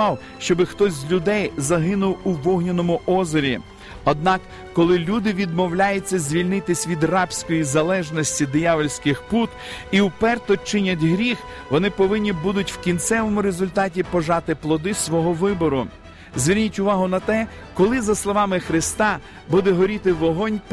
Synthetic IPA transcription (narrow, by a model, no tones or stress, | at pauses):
ɑw | ʃt͡ʃɔbɪxt̪ɔzʲzʲlʲʊd̪ɛjzɐɦɪnʊwuʋɔɦnʲinɔmʊʔɔzɔɾʲi | ɔd̪nɑkː | ɔlˠɪlʲud̪ɪʋʲid̪mɔwlʲajʊt͡sʲːɐzʲʋʲilʲnɪt̪ɪsʲʋʲid̪rɑpsʲkɔjizɐlˠɛʒnɔsʲtʲid̪ɪjɑʋɔlʲsʲkɪxput̪iwpɛrt̪ɔt͡ʃɪnʲɐtʲɦɾʲix | ʋɔnɪpɔʋɪnʲːibud̪ʊtʲwkʲint̪sɛʋɔmʊɾezʊlʲt̪ɑt̬ʲipɔʒɑt̪ɪplˠɔd̪ɪsʋɔɦɔʋɪbɔɾʊ | zʲʋʲirʲnʲitʲʊʋɑɦʊnɐt̪ɛ | kɔlˠɪzɐslˠɔʋɑmɪxɾɪst̪ɑ | bud̪ɛɦɔɾʲit̪ɪʋɔɦɔnʲ